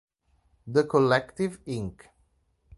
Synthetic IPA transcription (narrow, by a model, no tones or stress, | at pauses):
d̪əkʰɔlɛktɪvɪ̃ŋk